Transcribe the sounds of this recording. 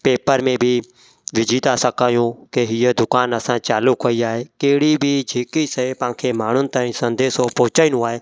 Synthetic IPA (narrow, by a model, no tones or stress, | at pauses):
peːpəɾmẽbʱi | ʋɪd͡ʒʱiːt̪aːsəkaːjũːkeɦijəd̪ʊkaːnəsãːt͡ʃaːlukʰɦoiaːɦeːkeːɽibʱid͡ʒʱiːkisəepãːkʰeːmaːɳ̤ʊnɪ̆t̪aːĩːsə̃nd̪eːsopɔːt͡ʃaːɪ̃nũaːɦeː